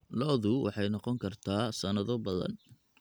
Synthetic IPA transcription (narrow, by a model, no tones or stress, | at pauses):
lɔːðʊwʔɑ̰ħɑjnɔqɔŋkʰɐrt̪ʰaːsɐnɐðɔbɐðɐ̰n